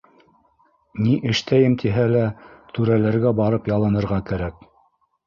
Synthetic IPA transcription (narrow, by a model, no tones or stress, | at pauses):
niʔɘ̆ʃt̪ʰæjɘmt̪ʰiɦælæt̪ʉɾælæɾɡæbɑɾɤpjɑlˠɤ̆nɤ̆ɾʁɑkæɾæk̚